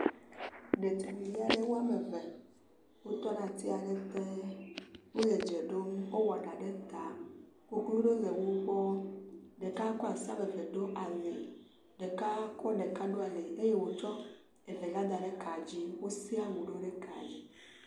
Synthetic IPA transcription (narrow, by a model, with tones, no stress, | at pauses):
ɖe˨t̪u˨mĩ˨vi˦a˨ɖe˦wo˦a˦me˨ve˨ | wo˦t̪ɔ˦nã˨t̪i˦a˨ɖe˦t̪e˦ | ŋũ˦le˨d͡ʒe˨ɖo˦m˦wo˦wɔ˨ɖa˨ɖe˦t̪a˨ | wo˦ku˦lu˦ɖo˦le˨wo˦k͡pɔ˦ɖe˨ka˦kɔ˦a˨sã˦be˨ve˨ɖo˦ʔa˨le˨ | ɖe˨ka˦kɔ˦ɖe˨ka˦ɖo˦a˨le˨e˦je˦wo˨t͡ʃɔ˦ | e˨ve˨la˦d̪a˨ɖe˦ka˨d͡ʑi˦wo˦si˦a˦wu˨ɖo˦ɖe˦ka̰˨li˨